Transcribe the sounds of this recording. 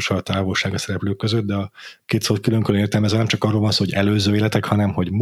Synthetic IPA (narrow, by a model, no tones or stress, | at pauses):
ʃɒt̪aːvo̞lʃaːɡɒsɛɾɛpløːkːøzøt̪̚d̪ɛɒkeːt̪solt̪̚kyløŋkøløneːrt̪ɛlmɛzɛlnɛmt͡ʃɒkɒrːolvɒnsoːɦoɟɛløːzøːeːlɛt̪ɛkhɒnɛmho̞ɟm